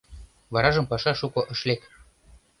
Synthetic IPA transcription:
βɑɾɑʒɤ̆mpɑʃɑʃukɤ̆ʔɤ̆ʃlek

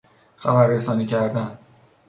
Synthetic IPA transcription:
xæbæɾːesɒːniːcʰæɾd̪æn

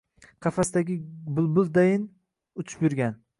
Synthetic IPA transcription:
qʰɑfasd̪aɡʲɪbʊlˠbʊld̪ajɪn | ʊt͡ʃʰɪ̥pjʊɾɡʲan

